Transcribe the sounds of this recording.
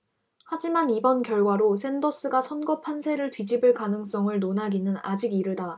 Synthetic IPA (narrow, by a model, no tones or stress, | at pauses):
had͡ʑimanibʌnkjʌɭɡwaɾosʰe̞ndʌs͈ɯɡasʰʌnɡʌpʰansʰe̞ɾɯɭtɥid͡ʑibɯɭkanɯŋs͈ʌŋɯɭnonaɡinɯnad͡ʑiɡiɾɯda